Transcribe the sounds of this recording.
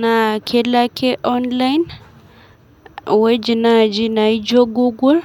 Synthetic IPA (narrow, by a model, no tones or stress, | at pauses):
nakʰɛlakʰɛʔɔnlajn | wed͡ʒinad͡ʒinaid͡ʒoɡuɡul